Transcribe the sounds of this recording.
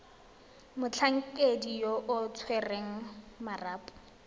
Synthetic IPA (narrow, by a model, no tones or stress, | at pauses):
mʊt͡ɬʰaŋ̩kʼedijoʔʊt͡sʰwɛreŋ̩maraːpʼʊ̥